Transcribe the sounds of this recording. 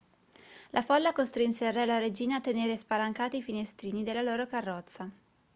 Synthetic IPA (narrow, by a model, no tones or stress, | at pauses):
lʔafɔlːakost̪ɾinserɛlaɾed͡ʒiːnaːt̪ːeneːɾespalaŋkaːt̪ifinest̪ɾiːnid̪elːaloːɾokarːɔt̪sːa